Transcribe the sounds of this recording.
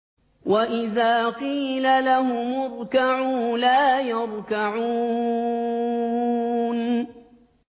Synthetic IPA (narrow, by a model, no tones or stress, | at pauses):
wʔaʔɪðaːqiːlalaɦʊmʊɾˤkaʕuːlaːjɑɾˤkaʕuː | n